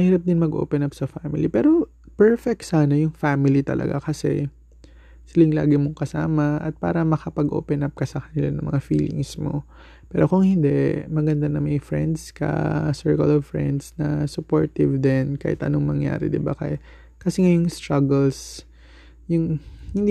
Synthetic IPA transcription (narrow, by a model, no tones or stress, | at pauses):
mɐhiːɾɐp̚d̪ɪnmɐɡʔo̰ːpɛnɐpsɐfamɪlipɛːɾo̞ | pɛɹfɛk̚t̪saːnɐjʊŋfaːmɪlit̪ɐ̰lʔɐ̰ɡa̰kɐsɛ̰ | sɪlɪŋla̰ːɡɪmoŋkɐsa̰ːmɐʔɐ̰t̪̚pa̰ːɾɐmɐkɐpɐɡʔo̞̰ːpɛnɐp̚kɐsɐkɐnɪlanʊŋmɐ̰ŋafḭːlɪ̰ŋsmo̞̰ | pɛːɾokʊŋhɪnd̪ɛmɐɡɐnd̪anɐmɐjfɹɛnd̪skɐ̰sɛɹkɐ̰lɔvfɹɛ̰nd̪snɐsʊpoɹt̪ɪvd̪ɛnkaːhɪ̰t̪ʔɐnoŋmɐŋja̰ːɾɛ̰d̪ɪba̰kɐ | kɐsɛŋajʊŋst̪ɹɐɡɛls | jʊŋhɪnd̪